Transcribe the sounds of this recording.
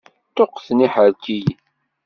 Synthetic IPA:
t̪oqːθniħəɾkij

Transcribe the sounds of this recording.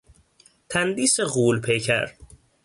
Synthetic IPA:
t̪ʰænd̪iːseɣuːlpʰejcʰæ̰ɾ

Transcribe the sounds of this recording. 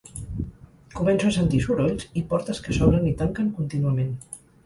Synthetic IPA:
kumɛnsuəsənt̪isuɾoʎsipɔɾt̪əskəsɔβɾənit̪aŋkəŋkunt̪inuəmen

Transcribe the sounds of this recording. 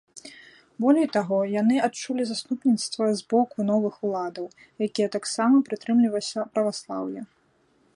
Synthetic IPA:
bɔlʲɛjt̪aɣɔjanɨat͡ʂulʲizast̪upnʲit̪st̪vɐzbɔkunɔvɨxulˠad̪ɐw | jakʲijɛt̪aksamɐpɾɨt̪ɾɨmlʲivɐsʲɐpɾɐvaslˠa̰wjɐ

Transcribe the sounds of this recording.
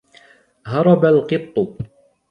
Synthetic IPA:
ɦɑɾˤɑbalqɨb̚t̪ˤʊ

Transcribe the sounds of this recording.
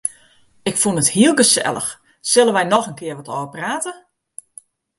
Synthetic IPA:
ɪkfunəthiəlˠɡəsɛ̰lˠə̰x | sɵlˠənʋɛjnɔxənkʰɪərʋɔtoːvəpraːtə

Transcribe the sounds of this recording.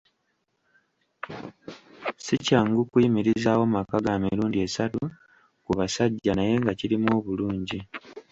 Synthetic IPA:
sicaːŋɡukwiːmiɾizaːwo̞makaɡaːmiɾuːndie̞satu | kuβasaɟːanaje̞ŋɡaciɾimo̞ːβuluːɲɟi

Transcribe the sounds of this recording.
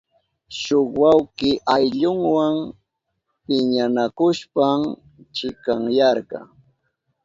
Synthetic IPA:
ʃoχwawkɪʔajʎʊŋwaŋ | pɪɲanakʊʃpam | t͡ʃɪkaŋjɑɾɢɑ̰

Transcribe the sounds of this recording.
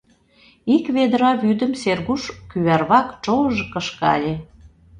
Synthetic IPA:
ikβed̪əɾɑβyd̪ə̆mserɣuʃkyβærβɑkt͡ʃoəʒɤ̆kəʃkɑ̰lʲe

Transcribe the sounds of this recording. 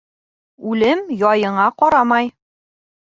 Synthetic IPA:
ʉlɘmjɒjɤ̆ɴɑqɒɾɑmɑj

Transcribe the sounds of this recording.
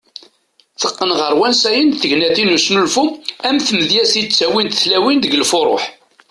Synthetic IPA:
θəqːənʁəɾˤwænsæjənθəʝnæθinusnulfumæmθməðjæsit͡sːæwint̪θlæwind̪əɡəlfoɾˤo̰ħ

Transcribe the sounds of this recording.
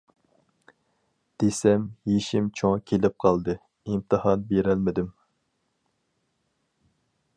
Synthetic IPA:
d̪̥esɛmjeʃimt͡ʃʰoŋkʲʰelɪp̚qʰɑlˠd̪ɨ | imt̪ʰɨhɑnbeɾɛlmɪd̪ɪm

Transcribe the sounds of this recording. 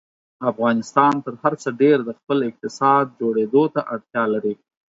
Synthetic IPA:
afɣɑnɪst̪ɑnt̪əɾhaɾt͡səɖeɾd̪əxpəlɪq̚t̪ɪsɑd̪̚d͡ʒoɽed̪ot̪aʔaɽt̪jɑlaɾi

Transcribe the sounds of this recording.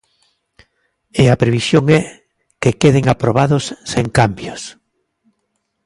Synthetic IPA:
eapɾeβisjoŋɛ | kekeðeŋapɾoβ̞aðʊsːeŋkambjos

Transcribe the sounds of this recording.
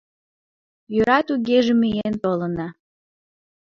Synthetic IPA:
jøɾɑt̪uɣeʒemijent̪olənɑ

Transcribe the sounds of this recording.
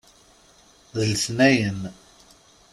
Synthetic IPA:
ðəlsnæjən

